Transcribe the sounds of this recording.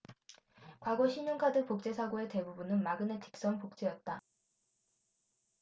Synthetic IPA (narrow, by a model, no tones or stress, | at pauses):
kwaɡoɕʰiɲoŋkʰadɯpok̚t͡ɕ͈e̞sʰaɡoe̞te̞bubunɯnmaɡɯne̞tʰi̥k̚s͈ʌŋpok̚t͡ɕ͈ejʌt̚t͈a